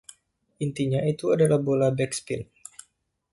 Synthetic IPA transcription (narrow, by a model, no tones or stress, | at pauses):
ʔint̪iɲait̪uadalahbolahbɛkspin